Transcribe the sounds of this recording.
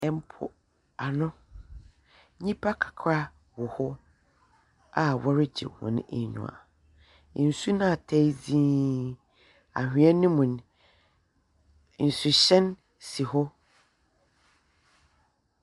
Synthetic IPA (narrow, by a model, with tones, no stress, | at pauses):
ɛ˨m˦pʰʊ̰˨ | a˨nʊ̃˦ | ɲĩ˦pʰa˦kʰḁ˨kʰɾa˦ | wɔ˨hɔ˦ | a˨wɔ˦ɾɪ˦d͡ʑɪ̰˨hʊ̰̃˨n˦e˨ɲṵ̃˨a̰˨ | n̩˨su˦nã˦˨tʰɛ˦d͡zĩː˦ | a̰˨hᶣĩ˨˦ɛ˦nɪ̃˦mʊ̃˨n˨ | n̩˨sʊ˨ɕɛ̃˦n | si˨hɔ˦